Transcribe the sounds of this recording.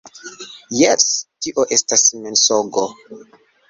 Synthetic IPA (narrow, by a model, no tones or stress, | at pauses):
jestiʔoʔestasmensoɡo